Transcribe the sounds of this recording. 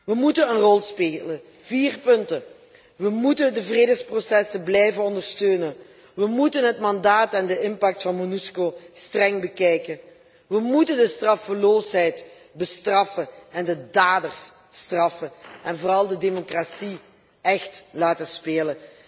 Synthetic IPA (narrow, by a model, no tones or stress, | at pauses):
ʋəmutənənrɔlˠspeːlə | viːrpɵntə | ʋəmutəndəvreːdəxsprosɛsənblɛjvənɔndərstøːnən | ʋəmutənɦətmɑndaːtɛndəɪnpɑk̚tfɑnmonyskoːstrɛŋbəkɛjkən | ʋəmutəndəstrɑfəloːsɦɛjt | bəstrɑfəɛndədaːdərs | strɑfənɛnvoːrɑlˠdədemokrasi | ɛxtlaːtəspeːlən